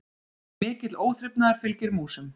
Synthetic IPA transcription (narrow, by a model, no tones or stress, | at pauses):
mɪːcɪt̪loːwθɾɪpnaðaɾ̥fɪlcɪɾmuːsʏm